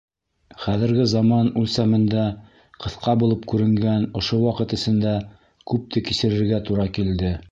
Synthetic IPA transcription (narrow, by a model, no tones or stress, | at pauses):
χæðɘ̆ɾɡɘzɑmɑnʉlsæmɘ̆nd̪æ | qɤ̆θqɑbulˠɤp̚kʉɾɘ̆ŋɡænŏʃowɑqɤ̆t̪ɘ̆sɘ̆nd̪æ | kʉp̚t̪ʰɘkisɘ̆ɾɘ̆ɾɡæt̪uɾɑkild̪ɘ